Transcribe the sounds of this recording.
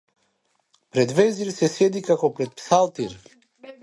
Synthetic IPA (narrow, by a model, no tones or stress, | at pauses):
pɾɛd̪vɛziɾsɛsɛd̪ikakɔpɾɛt̪̚psalˠt̪iɾ